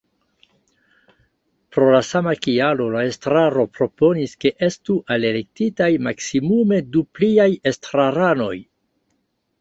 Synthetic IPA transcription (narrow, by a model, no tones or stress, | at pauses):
pɾo̞lasamakialo̞laestɾaɾo̞pɾo̞po̞niske̞ʔe̞stuʔalelek̚titajmaksimume̞dupliaje̞stɾaɾano̞j